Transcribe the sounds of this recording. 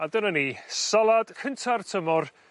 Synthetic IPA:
adənənisalˠad̥kʰəntʰartʰəmɔr

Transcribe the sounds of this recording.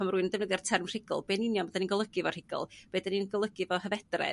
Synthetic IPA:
ɔmruɨnndɛvnəðɛr̥tʰɛrmr̥ɪɡɔ̰lˠbeːnɪnjɔmɔdaninɡɔlˠəɡ̥ɪvɔr̥ɪɡ̥ɔ̰lˠb̥eːdaninɡɔlˠəɡɪvɔɦəvɛdra̰

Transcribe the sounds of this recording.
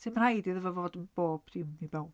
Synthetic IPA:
sʰɪmr̥ajdiðəvɔvoːdənb̥oːb̥d̥ɪmibaw

